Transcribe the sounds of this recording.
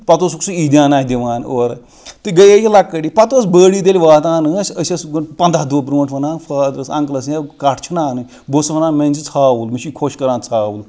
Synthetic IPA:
pɐt̪osuksuiːd̪ʲãːnaːd̪ʲiʋaːnoːɾ | t̪ɨɡɐjejilɐkːɐʈipɐt̪osbəːɽiːd̪elʲiʋaːt̪ãːnɨsʲəsʲɐsɡɨpɐnd̪aːd̪oːpɾõːɳʈʰʋɐnãːfʰaːd̪ɾɐsɐ̰̃ŋklɐs̬jekɐʈʰt͡ʃʰunaːnɨ | bosʋɐnãːmenʲzit͡sʰaːʋulmiʃikʰoʃkɐɾãːnt͡sʰaːwul

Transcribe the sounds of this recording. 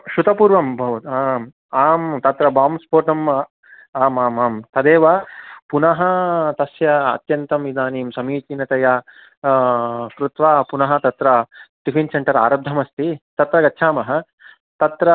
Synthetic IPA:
ʃut̪ɐpuːɾʋɐmbʱɐʋɐt̪am | aːmt̪ɐt̪ɾɐbaːmspoːʈɐm | aːmaːmaːmt̪ɐd̪eːʋaːpunɐɦɐt̪ɐsjɐɐ̰t̪jɐnt̪ɐmʋid̪aːniːmsɐmiːt͡ʃ̪inɐt̪ɐjaː | kɾut̪ʋaːpunɐɦɐ̆t̪ɐt̪ɾɐt̪ipinsɐɳʈɐɾa̰ːɾɐb̚d̪ʱɐmɐst̪it̪ɐt̪ɾɐɡɐtːʃʰaːmɐɦɐ | t̪ɐt̪ɾɐ

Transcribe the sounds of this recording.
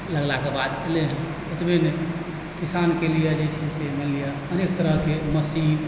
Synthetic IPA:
ləɡlakebad̪eleɦɛ̃ | ut̪bine | kisankelijɛd͡ʒet͡ʃʰisemelijɛ | ənekt̪əɾəɦkeməsiɦ

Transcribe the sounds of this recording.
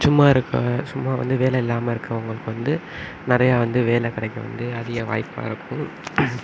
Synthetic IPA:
sʊmːaːɪɾɯkːɐ̰sʊmːaːʋɐ̰nd̪ɯʋeːlɛɪlːaːmɐɪɾɯkːɐʊŋɡɐɭɯkːɯʋɐnd̪ɯ | nɪɾɐjaːʋɐnd̪ɯʋeːlɐkɪɽɐɪkːɐʋɐ̰nd̪ɯɐðɪɣɐʋa̰ːjpːa̰ːɪɾɯkːʊ̃

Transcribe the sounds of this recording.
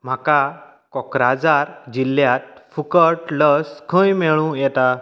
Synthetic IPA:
m̤aka | kɔkɾad͡zaɾd͡ʑilːjat̪̚fukəʈləskʰə̃jmeɭũjɛt̪a

